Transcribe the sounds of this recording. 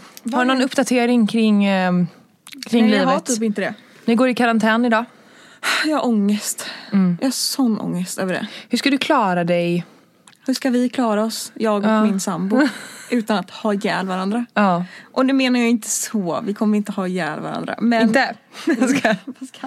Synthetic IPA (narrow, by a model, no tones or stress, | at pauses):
hhadnɔnɵpːd̪at̪ʰeːɾɪŋkʰɾɪŋː | kʰɾɪŋŋliːɦat̪ʰiːpɪnt̪əd̪ɛ | nɪɡoːɾɪkʰaɾant̪ʰɛːnɪd̪ɑː | jɑhaʔɔŋːəst̪ːjɑ̰ːhasɔnːɔ̰ŋːəst̪ø̰ːvəɖɛ̰hʉʂkad̪ɵkʰlɑːɾad̪ɛj | hɵʂkavɪkʰlɑːɾaɔsjɑːɡɔmɪnsambʊʔʉ̟ːt̪anat̪hɑːjɛ̰ːlvaɾand̪ɾaɑːʔɔd̪ɛmeːnaɾjaɪnt̪ʰə̥sɔvɪkʰɔmːəɾɪnt̪əhɑːjɛ̰ːlvaɾa̰nd̪ɾa̰mɛnəsa